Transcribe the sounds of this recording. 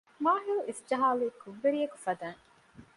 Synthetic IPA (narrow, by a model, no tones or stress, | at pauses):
maːɦiluisd͡ʒɐɦaːliːkuʋːeɾijɐku̥fɐd̪aːŋ